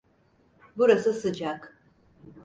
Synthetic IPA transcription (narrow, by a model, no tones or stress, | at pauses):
buɾasɯsɯd͡ʒak